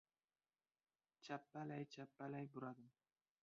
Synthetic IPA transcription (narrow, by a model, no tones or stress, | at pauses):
t͡ʃʰapːalajt͡ʃʰapːalajbʊɾad̪ɪm